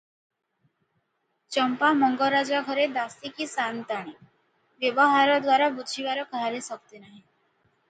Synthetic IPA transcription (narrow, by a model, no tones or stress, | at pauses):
t͡ʃɔmpamɔŋɡɔɾad͡ʒaɡʱɔɾed̪ast̪ikisant̪aɽ̃i | ʋjɔbɔɦaɾɔd̪waɾabud̪ʱibaɾɔkaɦaɾesɔkt̪enaɦĩ